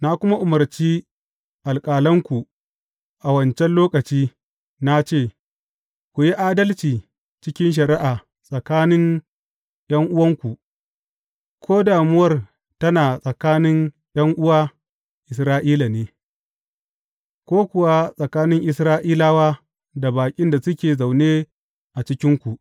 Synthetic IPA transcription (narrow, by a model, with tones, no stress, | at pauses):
na˦kʷʊ˦ma˦ʔʊ˨mɐ˨rt͡ʃiː˦ | ʔa˨lkʼaː˨lɐ˦ŋkʷu˨ | ʔa˨wɐ˨nt͡ʃɛ˦nloː˦kɐ˨t͡ʃiː˦ | na˦t͡ʃeː˦˨ | kʷu˨ji˦ʔaː˦dɐ˦lt͡ʃiː˨ | t͡ʃɪ˦kʲɪ˦nʃ̬ɐ˨ɾɪ˦ʔaː˨ | sʼɐ˨kaː˦nɪ˦ŋ | j̰ɐ˦ŋʔʊ˦wɐ˦ŋkʷu˨ʔ | kʷʰoː˦daː˨mʊ˦wɐ˦r | tɐ˦naː˨sʼɐ˨kaː˦nɪ˦ŋ | j̰ɐ˦ŋʔʊ˦waː˦ | ʔɪ˨sɾaː˦ʔiː˦la˨neː˦ | kʷoː˦kʷʊ˨wa˦sʼɐ˨kaː˦nɪ˦ŋʔɪ˨sɾaː˦ʔiː˦laː˦waː˦ | da˨baː˨kʲʼɪ˦nda˨sʊ˦kʲeː˨za˨wneː˦ | ʔa˨t͡ʃɪ˦kʲɪ˦ŋkʷu˨ʔ